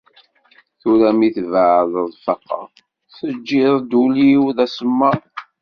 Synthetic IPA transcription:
θuɾæmiθvʕðˤəðˤfɑqːə̰ɾˤ | θəd͡ʒːɪðˤd̪uliwðæsəmːæ

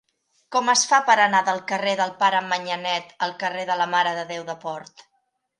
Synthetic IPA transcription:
kɔməsfapəɾənaðəlˠkəreðəlˠpaɾəməɲənɛt̪əlˠkəreðələmaɾəðəðewðəpɔɾt̪

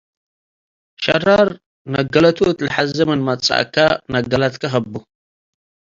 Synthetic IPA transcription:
ʃɐraɾ | nɐɡɐlɐt̪ʰot̪lɨħazɐmɨnmɐt͡sʼa̰ʔkʰːanɐɡɐlat̪kʰɐxɐbːu

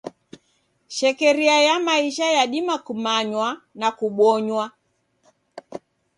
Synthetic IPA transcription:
ʃɛkɛɾiajamaiʃajaɗimakumaɲwanakuɓɔɲwa

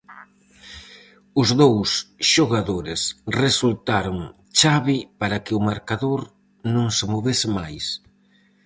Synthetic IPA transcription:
ʊzðowsʃoɣaðoɾɪsresult̪aɾoŋ | t͡ʃaβipaɾakɪʊmaɾkaðoɾ | nõŋsɪmoβesɪmajs

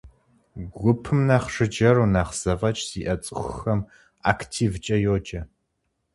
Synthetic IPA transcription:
ɡʷʊpʰɨmnaːχʂɨd͡ʒɐɾunaːχz̥ɐvɐt͡ʃʼz̥iːʔɐt͡sʼɨxʷxxɐm | a̰ːkʰtʰiːvt͡ʃʼɐjoːd͡ʒʼɐ

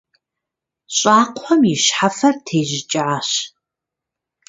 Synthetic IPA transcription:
ɕʼaːqʷħʷɔmiʃħafɐrtʰeːʒɪt͡ʃʼɪʕaɕ

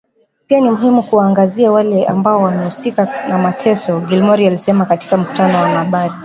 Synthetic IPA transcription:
pianimuɦimukuwaːŋɡaziawalɛʔa̰mbaɔwamɛhusikanamatʰɛsɔɡilmɔɾialisɛmakati̥kam̩ku̥tanɔwamaɓaɾi

